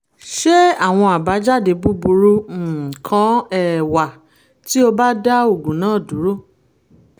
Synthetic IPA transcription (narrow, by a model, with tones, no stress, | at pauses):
ʃe˦a˦˨w̃ɔ̃˧a˨ba˨˦d͡ʒa˦˨de˧bu˦bu˧ɾu˧˨kʰã˦ɛ˦˨wa˨ | ti˦o˧ba˦da˦o˦˨ɡũ˨nãː˦˨dũ˨˦ɾo˦˨